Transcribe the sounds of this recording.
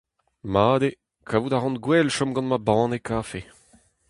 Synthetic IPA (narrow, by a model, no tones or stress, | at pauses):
maːd̪e | kʰavud̪aʁɑ̃nɡwɛlʃɔ̃mɡɑ̃nmabɑ̃ːnekaːfe